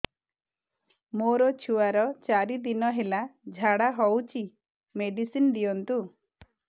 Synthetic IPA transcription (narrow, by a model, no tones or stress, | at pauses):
moɾɔt͡ʃʰuwaɾɔt͡ʃaɾid̪inɔɦelad͡ʒʱaɽaɦɔwt͡ʃʰi | meɖisind̪ijɔnt̪u